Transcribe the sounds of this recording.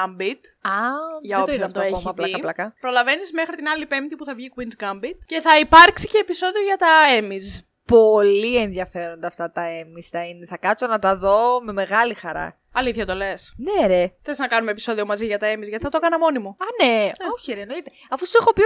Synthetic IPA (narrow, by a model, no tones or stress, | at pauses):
ɐmbit̪ɐʝɐeot̪oiðɐɐft̪oeoomɐplɐɐplɐkɐpɾo̞lɐve̞nizme̞xɾit̪inɐlipe̞mt̪ipuθɐvʝikwinzɡɐmbit̪̚ce̞θɐipɐɾksi̥ce̞ːpiso̞ðio̞ʝɐt̪ɐemiz | polienðjɐfe̞ɾond̪ɐft̪ɐt̪ɐe̞mist̪ɐineθɐkɐt͡so̞nɐt̪ɐðo̞me̞me̞ɣɐlixɐɾɐ̰ | ɐliθçɐt̪o̞le̞sneɾeθeznɐkɐnumepiso̞ðio̞mɐziʝɐt̪ɐe̞mizʝɐt̪iθɐt̪okɐnɐmo̞nimoɐneoçieɾieno̞it̪e̞ | ɐfusuexo̞pi